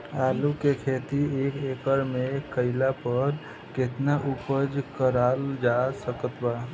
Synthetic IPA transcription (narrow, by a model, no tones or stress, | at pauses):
alukekʰet̪ieːkekəɾmekəɪlapəɾ | ket̪naʔupəd͡ʒkəɾald͡ʒasəkət̪ba